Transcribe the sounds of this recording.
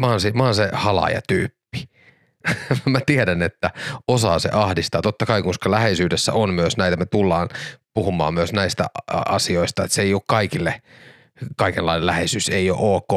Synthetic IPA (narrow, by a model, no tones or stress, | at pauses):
ʋɑːnsiʋɑɑːnsehɑlɑ̰jɑ̰t̪yːpːi̥ | mæt̪iedænet̪ːæosɑːsḛʔɑhdist̪ɑːt̪ot̪ːɑkɑikuskɑlæhesyːdesːæ̰onmyøsnæit̪æmet̪ulːɑːnpuhumˑɑ̰ːmmyøsnæist̪æ̰ɑ̰sioist̪ɑet̪seioːkkɑikilːe | kɑikelːɑinelæhesyseio̰ʔoːkːoː